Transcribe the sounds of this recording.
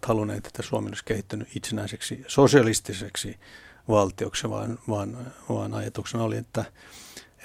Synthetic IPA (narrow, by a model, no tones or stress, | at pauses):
t̪hɑlunḛːt̪e̥t̪ːæsuomenolisʲkehit̪ːynyit̪senæiseksisosiɑlist̪iseksiʋɑlt̪ioksʋɑ̰ːnʋɑːnʋɑ̰ːnɑjɑt̪uksenɑoliet̪ːæ